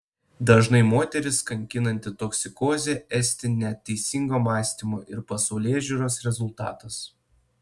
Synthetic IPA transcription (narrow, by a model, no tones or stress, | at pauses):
d̪ɐʒnɐɪmoːt̪ʲɛɾʲɪskɐŋʲkʲɪnɐnʲt̪ʲɪt̪ɔksʲɪkoːzʲeːɛsʲt̪ʲɪnʲɛt̪ʲːɛɪsʲɪŋɡoːmɑːsʲt̪ʲimoːʔɪɾpɐsɐʊlʲeːʒʲuɾoːsɾʲɛzʊlˠt̪ɑ̰ːt̪ɐs